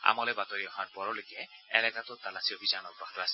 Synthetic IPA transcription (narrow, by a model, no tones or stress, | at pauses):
a̰mɔlɛbat̪ɔɹiɔɦaɹpɔɾɔlojkɛɛ̰lɛkat̪ɔt̪alasiɔbʱizanɔk̚bat̪asi